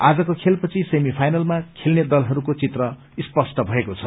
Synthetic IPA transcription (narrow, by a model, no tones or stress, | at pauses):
ad͡zʌkokʰelpʌt͡sʰisemipʰajnʌlmakʰelned̪ʌlɦʌɾukot͡sit̪rʌ | ispʌsʈʌbʱʌekot͡sʰʌ